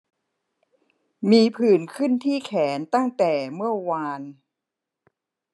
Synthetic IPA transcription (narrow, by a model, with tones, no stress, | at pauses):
miː˧pʰɯː˨˩nkʰɯ˥˩nt̪ʰiː˥˩kʰɛː˩˦nt̪a˥˩ŋt̪ɛː˨˩mɯ˥˩ɐwaː˧n